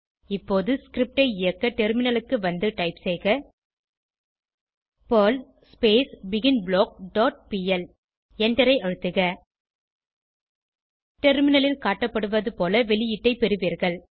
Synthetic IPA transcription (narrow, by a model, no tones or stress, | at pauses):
ɪpːoːðɯskɾɪp̚ʈɐɪɪjɐkːɐʈɛɾmɪnɐlɯkːɯʋɐnd̪ɯʈɐɪpsɛɪɣɐ | poːl | speːsbɪɣɪnbɭoːk̚ɖoːʈ̚piːɛl | ɛɳɖɐɾɐɪʔɐɻɯt̪ːɯɣɐ | ʈɛɾmɪnɐlɪlkaːʈːɐpːɐɽɯʋɐðɯpoːlɐʋɛlɪjɪʈːɐɪpɛɾɯʋiːɾɣɐɭ